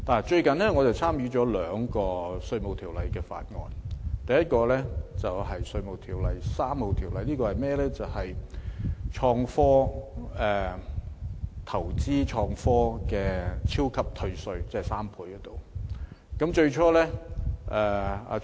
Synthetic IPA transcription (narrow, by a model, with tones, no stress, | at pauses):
naː˨˩t͡ʃɵ˧ɥkɐ˨nlɛː˥ŋɔ˨˧t͡sɐ˨˩wt͡sʰaː˥mjyː˨˥t͡ʃɔː˨˥lœː˨˧ŋkɔː˧sɵ˧ɥmo˨wt̪ʰiː˨˩wlɐ˨jkɛː˧fa̰ː˧t̚ŋɔ̰ː˧nt̪ɐ˨jɐ˥t̚kɔː˧lɛː˥t͡sɐ˨wɦɐ˨jsɵ˧ɥmo˨wt̪ʰiː˨˩wlɐ˨˧jsaː˥mho˨wt̪ʰiː˨˩wlɐ˨˧jliː˥kɔː˧hɐ˨jmɛː˥lɛː˥t͡sɐ˨˩whɐ˨˩j | t͡ʃʰɔː˧ŋfɔː˥ɛː˨ | t̪ʰɐ˨˩wt͡siː˥t͡ʃʰɔː˧ŋfɔː˥kɛː˧t͡sʰiː˥wkʰɐ˨p̚t̪ʰɵ˧ɥsɵ˧ɥt͡sɛ˥ɛ˨˩saː˥mpʰuː˧jkɔ˧˥t̪o˨w | kɐ˨˥mt͡ʃɵ˧ɥt͡ʃʰɔː˥lɛː˥ʔɛː˨a̰ː˧